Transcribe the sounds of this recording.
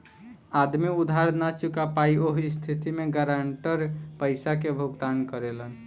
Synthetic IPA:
ad̪miud̪ʱaɾnat͡ʃukapaioɦist̪ʰit̪imeɡaɾaɳʈəɾpəɪsakebʱuɡd̪ankəɾelən

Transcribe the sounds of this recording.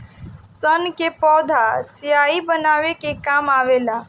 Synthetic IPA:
sənkepɔd̪ʱasijaibənaʋekekamaʋela

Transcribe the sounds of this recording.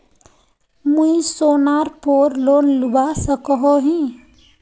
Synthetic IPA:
muisoːnaɾpoːɾloːnlubasəkəɦoɦĩ

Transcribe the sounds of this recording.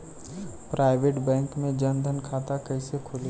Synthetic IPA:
pɾaːɪʋeːʈbɛ̃ːŋkmẽd͡ʒənd̪ʱənkʰaːt̪akəɪsekʰʊl

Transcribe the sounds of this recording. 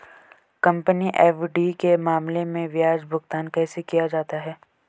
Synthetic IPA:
kɐ̃mpəniʔɛːfɖikemaːmlemẽʋjaːd͡ʒbʱʊɡt̪aːnkɛːsekijad͡ʒaːt̪aɦɛː

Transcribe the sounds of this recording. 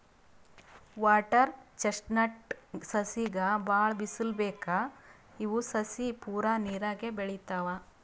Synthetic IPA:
ʋaːʈɐɾt͡ʃeʂʈnɐʈsɐsiɡɐbaːɭbisulbɛːkaː | iʋusɐsipuːɾaniːɾaːɡebeɭit̪aːʋa

